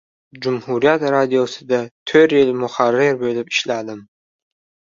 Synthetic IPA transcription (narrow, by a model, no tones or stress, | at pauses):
d͡ʒumhuɾijat̪ɾad̪ijosɪd̪at̪ʰøɾjɪlmʊχarːɪɾbøjlɪpi̥ʃlad̪ɪm